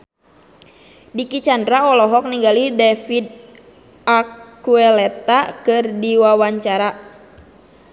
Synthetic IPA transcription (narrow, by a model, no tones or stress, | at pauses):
dikit͡ʃandɾaɔlɔɦɔk̚niɡalidɛfid̪̚ | akkuɛlɛt̪akɨrdiwawaɲt͡ʃaɾa